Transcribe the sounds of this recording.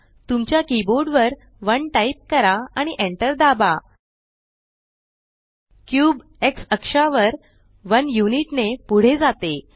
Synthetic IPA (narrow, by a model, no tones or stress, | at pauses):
t̪umt͡ɕjakiboɾɖʋəɾ | ʋəɳʈaip̚kəɾaaɽ̃iʔeɳʈəɾd̪aba | kjuːb | eksəkʂaʋəɾ | ʋənjuniʈnepuɽ̤ed͡zat̪e